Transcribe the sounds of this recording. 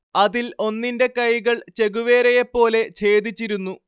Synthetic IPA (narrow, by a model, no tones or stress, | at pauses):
ɐðilo̞nːinde̞kɐjɣɐɭt͡ɕe̞ɣuʋe̞ːɾɐjepːo̞ːle̞t͡ɕe̞ːd̪it͡ɕːiɾunːu